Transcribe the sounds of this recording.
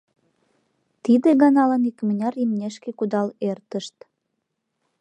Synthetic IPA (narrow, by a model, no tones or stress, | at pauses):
t̪id̪eɣɑnɑlɑnikmənʲɑɾimnʲeʃkekud̪ɑlert̪əʃt̪